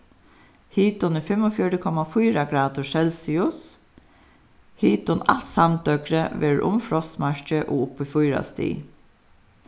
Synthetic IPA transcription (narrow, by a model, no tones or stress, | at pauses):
hiːt̪ʊnəfɛmɔfjɔɾəkʰɔmafɔːɾaɡɾaːt̪ʊʃɛlsɪʊs | hiːt̪ɔna̰lt̪samt̪œkɾəʋeːɹʔʊ̰mfɹɔst̪maɹt͡ʃəʔo̰ːʊpifʊɪɾa̰st̪ḭː